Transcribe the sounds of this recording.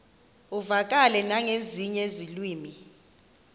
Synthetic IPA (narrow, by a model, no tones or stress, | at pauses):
uvak̬ʼalɛnaŋeziɲezilwiːmi